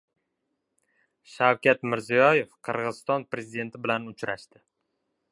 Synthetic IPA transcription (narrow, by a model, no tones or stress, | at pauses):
ʃawkʲat̪mɪɾzijɒje̞fqʰɨɾʁɨzɨst̪ɒnpɾe̞zid̪e̞nt̪ʰɪbɪlanʊt͡ʃɾaʃt̪ɪ